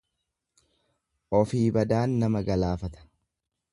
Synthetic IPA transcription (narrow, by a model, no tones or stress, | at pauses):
ʔɔfiːbɐd̪aːnːɐmɐɡɐlaːfɐt̪ɐ̥